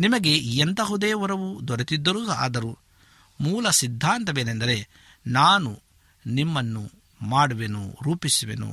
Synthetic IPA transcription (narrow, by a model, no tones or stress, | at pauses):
nimɐɡe̞ent̪ɐɦud̪eːʋɔɾɐʋud̪ɔɾɐt̪id̪ːɐɾuɡa̰ːd̪ɐɾu | muːlɐsid̪ʱːaːnt̪ɐʋeːnend̪ɐɾe̞ | naːnu | nimːɐnːu | maːɽuʋenṵɾuːpisuʋḛnṵ